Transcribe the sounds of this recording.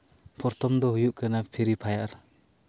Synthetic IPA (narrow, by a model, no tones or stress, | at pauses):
pʰɔɾt̪ɔmd̪ɔɦujuʔkanapʰiɾipʰajaɾ